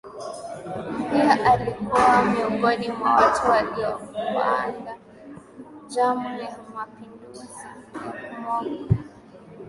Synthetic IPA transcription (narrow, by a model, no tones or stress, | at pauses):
piaʔalikuwamiɔŋɡɔɗimawatualiɔuba̰anda | d͡ʒamujɛmapinduzimɔŋa